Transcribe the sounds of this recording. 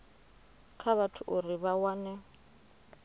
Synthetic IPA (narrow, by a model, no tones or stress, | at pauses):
kʰaβatʰʊʔuriβawanɛ